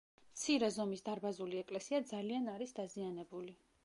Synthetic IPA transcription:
mt̪sʰiɾɛzɔmisd̪aɾbazuliɛkʼlɛsiad̪zalianaɾisd̪azianɛbuli

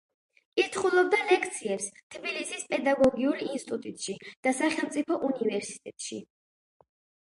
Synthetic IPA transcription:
kʼiɾt̪ʰχulˠɔb̚d̪alɛkʰt̪sʰiɛpst̪ʰbilisispʼɛd̪aɡɔɡiulinst̪ʼut̪ʼut̪ʼʃid̪̥asaχɛlˠmt̪sʼipʰɔʔunivɛɾsi̥t̪ʼɛt̪ʼʃḭ

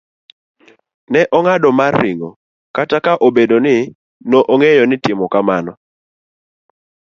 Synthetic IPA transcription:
nɛʔɔŋadɔmarːɪŋɔ | katakaʔobedonɪ | noʔoŋejɔnɪtɪmɔkamanɔ

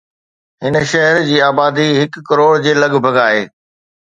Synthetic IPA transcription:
ɦɪnʃɐɦəɾd͡ʑiːaːbaːd̪iɦɪkːɐɾoːɽd͡ʑeːlɐɠbʱɐɡaːɦḛː

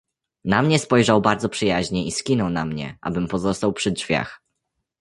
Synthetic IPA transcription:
namɲɛspɔjʐawbaɾd̪zɔpʂɘjaʑɲɛiskʲinɔwnamɲɛ̰ʔa̰bɘmpɔzɔst̪awpʂɘdʐvʲja̰x

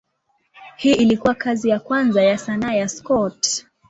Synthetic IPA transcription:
hiːʔilikuwakʰazijakwanzajasanaːjaskɔt

